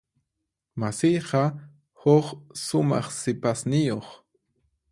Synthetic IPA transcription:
masijɢɑ | hoχsʊmɑ̰χsɪpasnɪjoχ

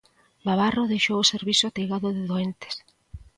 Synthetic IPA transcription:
baβaroðejʃowʊseɾβisʊat̪eɣaðʊðɪðoent̪e̥s

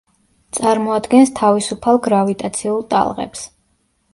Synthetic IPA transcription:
t̪sʼaɾmɔad̪ɡɛnst̪ʰavisupʰalˠɡɾavit̪ʼat̪sʰiulˠt̪ʼa̰lˠʁɛ̰ps

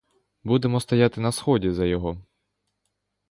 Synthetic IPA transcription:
bud̪emɔst̪ɐjat̪ɪnɐsxɔdʲizɐjɔɦɔ

